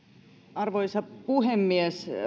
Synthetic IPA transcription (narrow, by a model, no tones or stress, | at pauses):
ɑrʋoisɑpuhemːies